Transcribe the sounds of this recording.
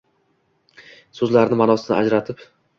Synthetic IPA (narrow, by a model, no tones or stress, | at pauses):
sɵzlaɾnɪmanɒsɪnɪ̰ʔa̰d͡ʒɾat̪ʰɪp